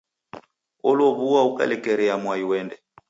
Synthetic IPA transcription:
ɔlɔβuwauka̰lɛkɛɾɛamwaiwɛndɛ

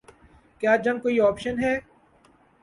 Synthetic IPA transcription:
kjaːd͡ʒɐ̃ŋɡ̚koːiɔːpʃənɦɛː

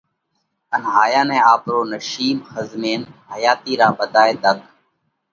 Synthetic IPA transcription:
ənɦaːjaːnɛ̃ːaːpɾoːnəʃiːmxəzmeːnɦəjaːt̪iːɾaːɓəd̪aːeːd̪əɡ

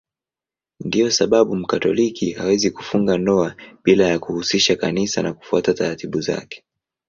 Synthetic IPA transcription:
ndijɔsaɓaɓum̩katɔlikihawɛzikufuŋɡandɔaɓilajakuhusiʃakanisanaku̥fuatataɾatiɓuza̰kɛ̥

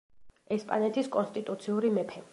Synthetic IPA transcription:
ɛspʼanɛt̪ʰiskʼɔnst̪ʼit̪ʼut̪sʰiuɾimɛpʰɛ

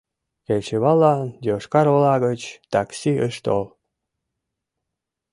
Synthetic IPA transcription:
kelʲt͡ɕeβɑlɑd̪oʃkɑɾolɑɣət͡ɕt̪ɑksiəʃt̪o̰l

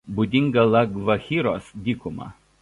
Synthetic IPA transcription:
bud̪ʲɪŋɡɐlˠɐɡʋɐxʲiːɾoːsd̪ʲiːkʊmɑ̰

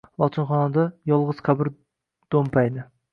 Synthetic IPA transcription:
lˠɒt̪ʰɪnχɒnɑd̪ɑjɒlˠʁəz̥qʰabɪɾ | d̪̥ompɑjd̪ɪ

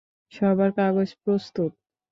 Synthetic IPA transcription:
ʃɔbaɾkaɡod͡ʑpɾost̪ut̪̚

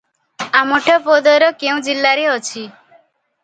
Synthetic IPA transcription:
amoʈʰɔpod̪ɔɾɔkeũd͡ʒilːaɾeɔt͡ʃʰi

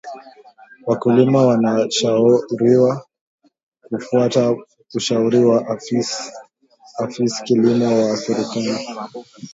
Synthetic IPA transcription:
wakulimawanaʃauɾiwa | kufuata | uʃauɾiwaʔ | afiskilimɔwaːfɛɾikani

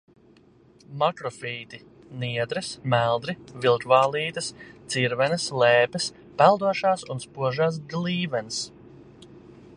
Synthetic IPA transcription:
makɾɔfiːt̪i | niɛd̪ɾɨsmælˠd̪ɾivilˠkvaːlˠiːt̪ɐst̪siɾvɛnɐslɛːpɛs | pælˠd̪uɔʃaːsunspuɔʒaːs̬ɡlˠiːvɛns

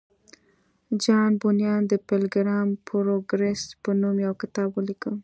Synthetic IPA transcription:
d͡ʒɑnbʊnjɑnd̪əpelɡɾɑmpʰɾoɡɾespənumjawkɪ̥t̪ɑbwəlikəl

